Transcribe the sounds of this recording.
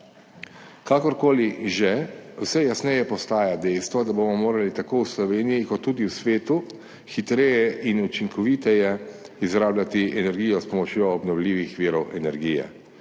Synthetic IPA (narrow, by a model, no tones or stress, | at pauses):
kakɔɾkoːliʒɛwsɛjasnɛjɛpɔst̪aːjad̪ɛjst̪ʋɔd̪abomɔmoːɾalit̪akoːwslɔʋeːnijikɔt̪ːuːd̪iusʋeːt̪u | xit̪ɾɛjɛʔinut͡ʃiŋkɔʋiːt̪ɛjɛ | izɾaːblat̪iʔɛnɛɾɡiːjɔspɔmɔt͡ʃjoːbnɔwlʲiːʋixʋiːɾɔwʔɛnɛɾɡiːjɛ̰